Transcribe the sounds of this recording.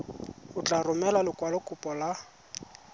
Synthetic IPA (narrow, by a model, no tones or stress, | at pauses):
ʊt͡ɬʼarʊmɛlalɪkʼwalʊkʼʊpʼɔla